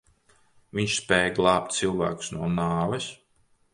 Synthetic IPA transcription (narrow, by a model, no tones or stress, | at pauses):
vʲiɲʃspɛːjɡlˠɑːp̚t̪sɨlˠvæ̰ːku̥snuɔnaːvɛs